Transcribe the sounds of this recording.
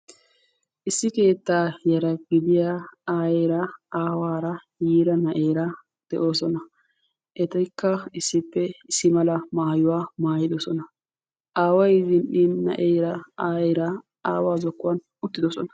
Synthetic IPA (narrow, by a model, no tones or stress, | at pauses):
ʔɪsːɪke̞ːt̪ːaːjɐɾɐɡɪd̪ɪjaaːjeːɾɐaːwaːɾɐjiːɾɐnɐʔeːɾɐ | d̪̥ɛʔo̞ːsɔnɐ | ʔɛt̪ɐjkːɐɪsːɪpːɛɪsːɪmɐlɐmaːjʊwaːmaːjɪd̪ɔsɔnɐ | ʔaːwɐjzɪnɗiːnːɐ̰ʔejɾɐaːeːɾɐ | aːwaːzɔkːʊwɐn | ʊt̪ːɪd̪ɔsɔnɐ̥